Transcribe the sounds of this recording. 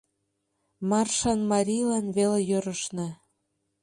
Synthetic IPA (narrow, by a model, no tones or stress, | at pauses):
mɑrʃɑnmɑɾʲijlɑnβelejøɾəʃne